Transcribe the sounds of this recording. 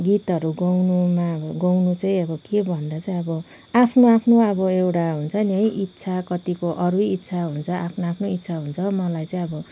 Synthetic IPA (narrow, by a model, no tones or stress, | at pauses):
ɡit̪ɦʌɾuɡʌwnumabʌɡʌwnut͡sʌĩʌbʌkebʱʌnd̪at͡sʌĩʌbʌ | apʰnoapʰnoʌbʌewʈaɦunt͡sʰʌnjʌjʔit̪ːsʰakʌt̪ikoʔʌɾujit̪ːt͡sʰaɦunt͡sʰʌʔapʰnoapʰnoit̪ːt͡sʰaɦunt͡sʰʌmʌlajt͡sʌĩʌbʌ